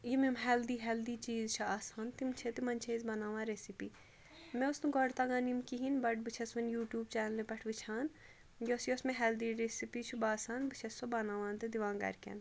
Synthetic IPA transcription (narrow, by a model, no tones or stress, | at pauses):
jimemɦɛːld̪iːɦɛld̪iːt͡ʃiːzt͡ʃʰiaːsaːnt̪imt͡ʃʰet̪imɐnʲt͡ʃʰeizbɐnaːʋãːɾesipiː | mẽusnuɡɔɽt̪aɡaːnimkiɦinbɐʈ̚bɨt͡ʃʰɐsʋɐnjuːʈjuːb̚t͡ʃɛːnlepɛʈʰʋit͡ʃʰaːn | joːsjosmẽɦɛːld̪iːɾesipiːt͡ʃʰubaːsaːnbɨt͡ʃʰɐsobɐnaːʋãːnt̪ɨd̪iʋãːŋɡɐ̰ɾkḛn